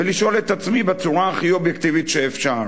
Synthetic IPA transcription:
veliʃo̞let̪at͡smibet͡suʁaːχio̞bjekt̪ivit̪ʃeːfʃaʁ

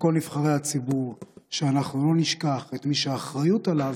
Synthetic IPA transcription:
ko̞lnivχaʁejhat͡sibuʁʃeanaχnulo̞niʃkaχet̪miʃeːχʁajutalav

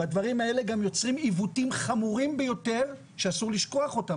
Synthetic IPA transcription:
bad̪vaʁimae̞le̞ɡamjo̞t͡sʁimivutimχamuʁimbejo̞te̞ʁ | ʃeasuʁliʃko̞aχo̞ta

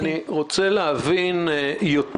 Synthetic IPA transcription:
niʁot͡seleavinjot

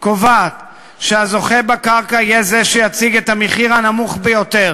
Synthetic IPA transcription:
kovat̪ | ʃeazo̞χebakaʁkaijezeʃejat͡siɡet̪ameχiʁanamuχbejo̞t̪e̞ʁ

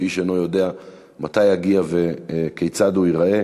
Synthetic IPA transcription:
iʃenojo̞de̞a | mat̪ajaɡiave̞kejt͡saduiʁae̞

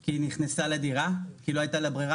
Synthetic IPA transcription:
kiːniχnesalediʁakiloajtalabʁiʁa

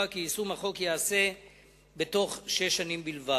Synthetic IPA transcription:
akiːsumaχo̞kjease̞ | be̞to̞χʃeʃanimbilva

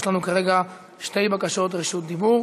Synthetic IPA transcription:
ʃlanukaʁeɡa | ʃte̞jbakaʃo̞tʁeʃut̚d̪ibuʁ

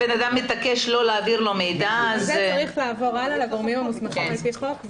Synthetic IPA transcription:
benad̪amːet̪akeʃlo̞leaːviʁlo̞me̞jdazzaʁiχlaːvo̞ʁalalaɡo̞ʁmimamusmaχimlfit̪χok

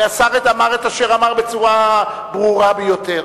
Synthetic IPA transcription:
asaʁetamaʁet̪aʃeʁamaʁbe̞t͡suʁa | bʁuʁabejo̞teʁ

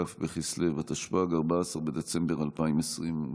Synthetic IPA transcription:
afbeχisle̞vat̪aʃpaɡaʁbasaʁbed̪et͡se̞mbeʁalpaimesʁim

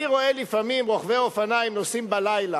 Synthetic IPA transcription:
iʁo̞elifamimʁo̞χveofanajimnosimbalajla

